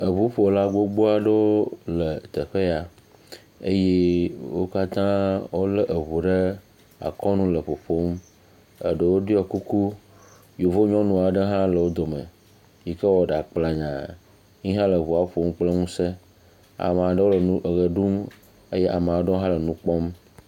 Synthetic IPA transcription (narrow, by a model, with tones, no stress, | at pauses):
ə˨βu˦ɸo˨la˦ɡ͡bo˦ɡ͡bo˦a˨ɖe˦wo˦lə˨t̪ə˨ɸe˦ja˨ | ḛ˦je˦wo̰˦ka˦t̪ã˦wo˦lə˦ʔə˨βu˨ɖə˦ | a̰˨kɔ˦nũ˦lə˨ɸo˨ɸo˦m | ə˨ɖə˨wo˦ɖi˦ɔ˨ku˦ku˦ | jo˨vo˦ɲɔ̃˦nũ˨a˨ɖə˦ɦã˦lə˨wo˦d̪o˨mə̰˨ | ji˨kə˦wɔ˦ɖa˨k͡pla˨ɲã˨ | ɲĩ˦ɦã˦lə˨βu˨a˨wɸo˦m˦k͡plə˦ŋũ˦se˦ | a̰˨m˨a˨ɖwo˦lɣə˨ɖu˦m | e˦je˦ʔa˨m˨a˨wo˦ɖə˦wo˦ɦã˦lə˨nũ˦k͡pɔ˦m